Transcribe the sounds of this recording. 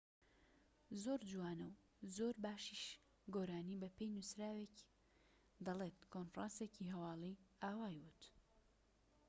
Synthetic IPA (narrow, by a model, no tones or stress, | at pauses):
zoɾd͡ʒuwaːnɐw | zoːɾbaːʃiʃ | ɡoːɾaːnibɐpʰejnusɾaːwek | d̪ɐleːt̪konfɾaːnseciɦɐwɑːlˠiaːwaːjwɨt̪